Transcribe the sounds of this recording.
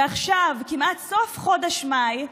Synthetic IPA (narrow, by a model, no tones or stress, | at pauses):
aχʃavkimat̪sofχodaʃmaj